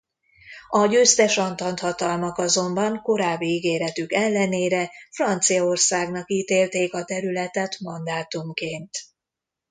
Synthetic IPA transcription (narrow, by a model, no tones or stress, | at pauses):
ɒɟøːst̪ɛʃɒnt̪ɒnt̪hɒt̪ɒlmɒkɒzo̞mbɒŋko̞ɾaːbːiiɡeːɾɛt̪ykɛlːɛneːɾɛfrɒnt̪sijɒo̞rsaːɡnɒkiːt̪eːlt̪eːkɒt̪ɛɾylɛt̪ɛt̪mɒnd̪aːt̪umkeːnt̪